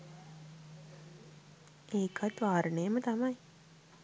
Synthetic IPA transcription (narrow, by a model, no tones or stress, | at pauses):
eːkʰat̪ʋaːɾənejəmət̪amaj